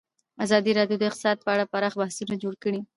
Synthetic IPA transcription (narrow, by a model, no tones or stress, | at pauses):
azɑd̪iɾɑɖjod̪əɪqt̪ɪ̥sɑd̪̚pəaɽapaɾɽɑxbahsunad͡ʒoɽkəɽi